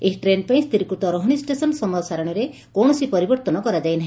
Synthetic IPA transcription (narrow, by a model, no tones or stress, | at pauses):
eɦʈɾenpaĩst̪iɾkɾut̪ɔɾoɦɽ̃isʈesɔnsɔmɔsaɾɔɽ̃ɔɾe | koɽ̃ɔsipɔɾibɔɾt̪ɔnɔkɔɾad͡ʒajnaɦĩ